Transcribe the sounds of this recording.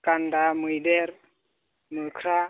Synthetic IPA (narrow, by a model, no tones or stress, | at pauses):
kandamɯjdɛɾ | mukʰɾa